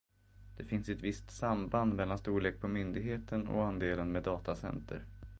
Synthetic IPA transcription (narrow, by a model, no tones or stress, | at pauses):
d̪̥ɛfɪnsɛt̪vɪst̪samband̪mɛlːanst̪uːɭeːk̚pʰɔmʏnd̪ɪɡɦeːt̪ʰənɔ̰and̪eːlənmeːd̪ɑːt̪asɛ̰nt̪ʰə̰ɾ